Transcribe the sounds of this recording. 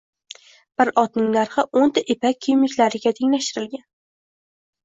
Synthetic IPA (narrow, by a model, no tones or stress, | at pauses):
b̥ɪɾɒt̪nɪŋnaɾχaont̪ʰaʔepakʲʰːyjmɪkʲlaɾɪɡʲat̪ʰe̞ŋlaʃt̪ɪɾɪlɡʲan